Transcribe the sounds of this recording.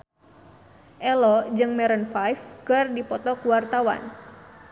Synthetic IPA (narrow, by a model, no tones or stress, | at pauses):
ʔɛlɔd͡ʒɨŋmɛɾənfajfkɨrdipɔt̪ɔkuwart̪awa̰n